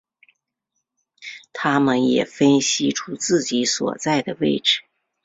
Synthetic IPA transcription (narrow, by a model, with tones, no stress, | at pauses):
t̪ʰa˥mə˨njɛ˨˩fə˥nɕi˥ʈ͡ʂʰu˥t͡sɹ̩˥˩t͡ɕi˧˥swɔ̰˨˩t͡sa˥˩ɪd̪ə˩we˥˩ɪʈ͡ʂɻ̩˨˩˦